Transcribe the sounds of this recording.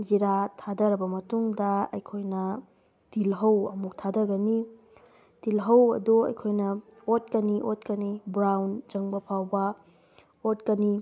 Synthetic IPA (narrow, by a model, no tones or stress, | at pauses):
ziɾatʰadɐɾɐbɐmɐtuŋdɐɐjkʰojnɐ | d̥ilɦɐwɐmuk̚tʰadɐɡɐni | d̥ilɦɐwɐ̰duɐ̰jkʰojnɐot̚kɐniʔotkɐnibɾawnd͡ʒɐŋbɐpʰawbɐ | otkɐni